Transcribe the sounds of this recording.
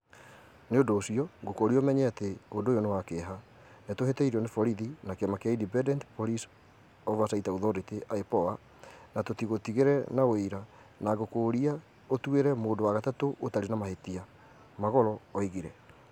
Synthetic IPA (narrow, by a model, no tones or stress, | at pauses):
neodoːsiɔŋɡokoɾiomɛɲɛateodojɔnewakeɦa | netohetɛiɾɔnefɔɾiðinakeɛmakeaidibɛdɛntpoɾis | ɔvas̬aitaoðɔɾeteʔaepɔa | natotiɣotiɣeɾɛnaweiɾa | naɣokoɾia | otweɾɛmoːdowaɣatatoʔotaɾenamahetia | maɣɔɾɔːiɣiɾɛ